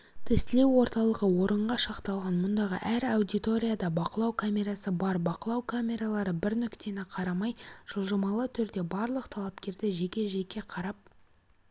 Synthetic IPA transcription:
t̪ʰɪst̪ɪle̞wo̞ɾt̪ɑlˠəʁəwo̞ɾəɴʁɑʃɑqt̪ɑlˠʁɑnmʊnd̪ɑʁə̰ʔæɾawd̪ijt̪o̞ɾʲijad̪ɑbɑqəlˠɑwkʰamʲe̞ɾasəbɑɾbɑqəlˠɑwkʰamʲe̞ɾalˠɑɾəbɪɾnʏkt̪e̞nɪqʰɑɾɑmɑjʒ̥əlˠʒɑmɑlˠət̪ʰʏɾd̪e̞bɑɾlˠəqt̪ʰɑlˠɑpkʲe̞ɾd̪ɪʒe̞kʲe̞ʒe̞kʲe̞qʰɑɾɑp̚

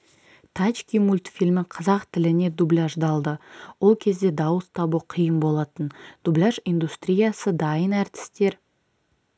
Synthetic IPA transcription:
t̪ʰat͡ʃkʲimulʲt̪fʲilmɪqʰɑzɑqt̪ʰɪlɪne̞d̪ublʲaʒd̪ɑlˠd̪əwo̞lˠkʲʰe̞zd̪e̞d̪ɑwəst̪ʰɑbuqʰijəmbo̞lˠɑt̪ənd̪̥ublʲaʒind̪ust̪ɾʲijasəd̪ɑjənæɾt̪ɪ̥st̪e̞ɾ

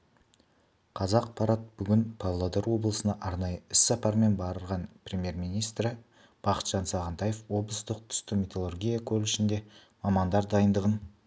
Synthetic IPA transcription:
qʰɑzɑqpʰɑɾɑt̪̚b̥ʏɡʲɪnpʰɑvlˠod̪eɾwo̞blˠəsənɑʔɑɾnɑjəɪssɑpɑɾme̞nbɑɾəɾʁɑnprʲe̞mʲje̞ɾmijnijst̪ɾɪ | b̥ɑqə̥t̪ʒ̥ɑnsɑʁənt̪ɑje̞fwo̞blˠəst̪əq̚t̪ʰʏ̥st̪ɪmʲet̪ʰolˠorɡʲijakʲʰɵlɪʃɪnd̪e̞ | mɑmɑnd̪ɑɾd̪ɑjənd̪əʁən

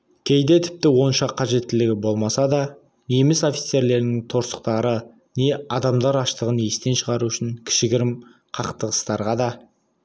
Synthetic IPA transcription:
kʲʰe̞jd̪e̞t̪ʰɪ̥p̚t̪ɪwo̞nʃɑqʰːɑʒe̞t̪ːɪlɪɡʲɪbo̞lˠmɑsɑd̪ɑ | ne̞mɪso̞fʲi̥t̪se̞ɾle̞ɾɪnɪŋt̪ʰo̞ɾsə̥q̚t̪ɑɾə | ne̞ɑd̪ɑmd̪ɑɾɑʃt̪əʁəne̞st̪e̞nʃəʁɑɾuʏʃɪŋkʲʰɪ̥ʃɪɡʲɪɾɪm | qʰɑqt̪əʁəst̪ɑɾʁɑd̪ɑ

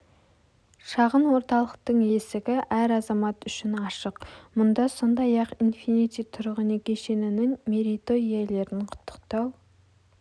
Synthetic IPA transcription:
ʃɑʁənwo̞ɾt̪ɑlˠəq̚t̪əɴje̞sɪɡʲɪʔæɾɑzɑmɑt̪ʏʃɪnɑʃəqmʊnd̪ɑso̞nd̪ɑjɑqinfinit̪sijt̪ʰʊɾʁənekʲʰe̞ʃe̞nɪnɪŋmeɾit̪o̞ijele̞ɾɪnqʰʊ̥t̪ːə̥qt̪ɑw

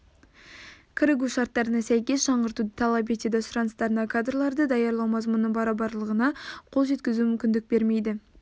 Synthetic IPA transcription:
kʲʰɪɾɪɡuʃɑɾt̪ːɑɾənɑsæjkʲe̞sʃɑɴʁəɾt̪ud̪ət̪ʰɑlˠɑp̬et̪ed̪ɑsʊɾɑnəst̪ɑɾənɑkʰad̪rlˠɑɾd̪əd̪ɑjɑɾlˠɑwmɑzmʊnnːəɴbɑɾɑbɑɾlˠəʁənɑqʰo̞lˠʒe̞t̪kʲɪzumʏmkʲɪnd̪ɪk̚be̞ɾme̞jd̪ɪ

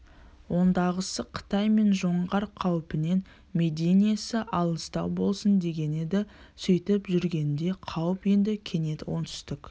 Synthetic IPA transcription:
wʔo̞nd̪ɑʁəsəqʰə̥t̪ɑjme̞nʒo̞ɴʁɑɾqʰɑwpɪne̞n | me̞d̪ʲenijasəʔɑlˠəst̪ɑwbo̞lˠsənd̪e̞ɡʲe̞ne̞d̪ɪsʏjt̪ɪpʒʏɾɡʲe̞nd̪e̞qʰɑwəpje̞nd̪ɪkʲʰe̞ne̞t̪ɪwo̞nt̪ʰʏ̥st̪ɪk

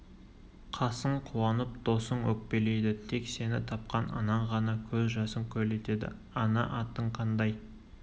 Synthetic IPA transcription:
qʰɑsəɴqʰuwɑnəp̚d̪o̞səɴwɵk̚pe̞le̞jd̪ɪt̪ʰe̞kse̞nɪt̪ʰɑp̚qɑnɑ̰nɑɴʁɑnɑkʲʰɵzʒɑsəmkʲʰɵle̞t̪e̞d̪ɪ̰ | ɑnɑ̰ʔɑt̪əɴqʰɑnd̪ɑj

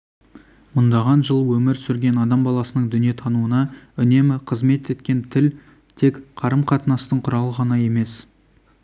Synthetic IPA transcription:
mʊnd̪ɑʁɑnʒəlˠwɵmɪɾsʏɾɡʲe̞nɑd̪ɑmbɑlˠɑsənəɴd̪ʏnije̞t̪ʰɑnuənɑʏne̞mɪqʰəzme̞t̪e̞t̪kʲe̞nt̪ʰɪl | t̪ʰe̞kqʰɑɾəmqʰɑt̪ənɑst̪əɴqʰʊɾɑlˠʁɑnɑje̞me̞s

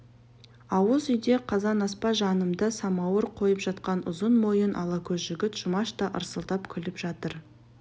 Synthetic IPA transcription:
ɑwəzʏjd̪e̞qʰɑzɑnɑspɑʒɑnəmd̪əsɑmɑwəɾqʰo̞jəpʒɑt̪̚qɑnʊzənmojənʔɑlˠɑkʲʰɵzʒʏɡʲɪt̪ʒ̥ʊmɑʃt̪ɑʔəɾsəlˠt̪ɑpkʲʰʏlɪpʒɑt̪əɾ

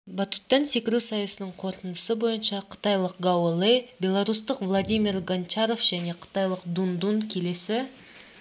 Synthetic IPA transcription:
bat̪u̥t̪ːɑnse̞kʲɪɾusɑjəsənəɴqʰo̞ɾt̪ənd̪əsəbo̞jənʃɑqʰə̥t̪ɑjlˠəq̚ɡawolˠejbʲe̞lˠaɾus̬t̪əqvlˠad̪ijmʲirɡant͡ʃaɾo̞fʒ̥æne̞qʰə̥t̪ɑjlˠəqd̪und̪unkʲʰe̞le̞sɪ

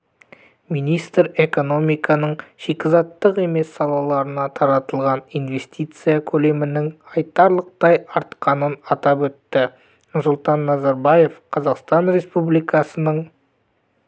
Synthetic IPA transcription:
mijnijst̪ɾe̞ko̞no̞mijkʰɑnəɴʃekʲɪzɑt̪ːəqe̞me̞sːɑlˠɑlˠɑɾənɑt̪ʰɑɾɑt̪əlˠʁɑnijnve̞st̪ijt̪sɨjakʲʰɵle̞mɪnɪŋqʰɑjt̪ɑɾlˠəq̚t̪ɑjɑɾt̪qɑnənɑt̪ɑpwɵt̪ːɪ | nʊɾsʊlˠt̪ɑnːɑzɑɾbɑje̞fqʰɑzɑqst̪ɑnɾe̞spublijkʰɑsənəɴ

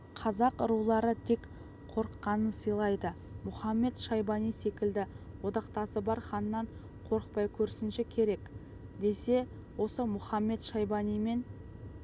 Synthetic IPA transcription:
qʰɑzɑqʊɾulˠɑɾət̪ʰe̞k | qʰo̞ɾəqːɑnənsəjlˠɑjd̪ə | mʊχɑmːe̞t̪ʃɑjbɑnijse̞kʲɪld̪ɪ | wo̞d̪ɑqt̪ɑsəbɑɾχɑnəːɑɴ | qʰo̞ɾəq̚pɑjkʲʰɵɾsɪnʃekʲʰe̞ɾe̞k | d̪e̞se̞ | wo̞səmʊχɑmːe̞t̪ʃɑjbɑnijme̞n

